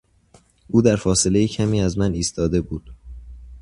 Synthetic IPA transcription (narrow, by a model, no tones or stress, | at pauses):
ʔuːd̪æɾfɒːse̞le̞jecʰæmiːæzmæniːst̪ʰɒːd̪e̞buːd̪̥